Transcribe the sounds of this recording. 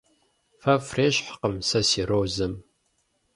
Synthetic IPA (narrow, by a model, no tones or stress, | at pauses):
fɐfreːɕħqəmsɐsiːɾowzɨm